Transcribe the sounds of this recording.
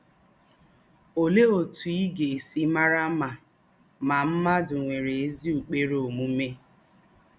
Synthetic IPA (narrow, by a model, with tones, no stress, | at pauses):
o˨le˦o˨tu˨i˦ɡe˨si˦ma˦ɾa˦ma˨ | ma˨m̩˦ma˦dʊ˨ŋʷe˨ɾe˨e˦zi˦u˨k͡pe˦ɾo˨mu˦me˦